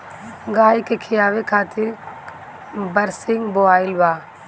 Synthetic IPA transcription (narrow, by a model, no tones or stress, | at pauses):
ɡaːikekʰijaːʋekʰaːt̪ɪɾ | bɐɾsɪŋɡboaːɪlʋaː